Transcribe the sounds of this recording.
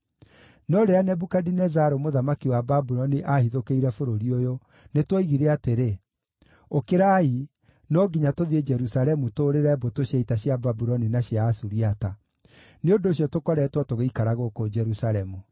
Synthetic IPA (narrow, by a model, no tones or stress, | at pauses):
nɔɾeanɛbukadinɛzaɾomoðamakiwababuɾɔniʔahiðokeiɾɛfoɾoɾiojo | netwaiɣiɾɛateɾe | okeɾai | nɔɡiɲatoðied͡ʒɛɾusaɾɛmutoːɾeɾɛbotoɕaitaɕjababuɾɔninaɕjaːsuɾiata | neondoːɕ̬jɔtokɔɾɛtwɔtoɣeikaɾaɣokod͡ʒɛɾusaɾɛmu